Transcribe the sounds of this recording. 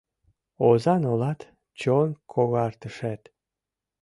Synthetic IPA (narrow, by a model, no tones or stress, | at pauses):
ozɑnolɑt̪ | t͡ɕonkʰoɣɑrt̪əʃæt̪